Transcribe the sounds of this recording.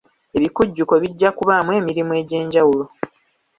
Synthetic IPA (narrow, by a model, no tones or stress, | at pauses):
e̞βikuɟːuko̞βiɟːakuβamwe̞ːmiɾimwe̞ːɟe̞ːɲɟawulo̞